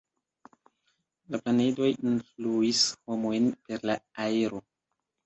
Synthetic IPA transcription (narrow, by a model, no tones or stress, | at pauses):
laplanedo̞jinfluishomojnpe̞ɾlaaeɾo̞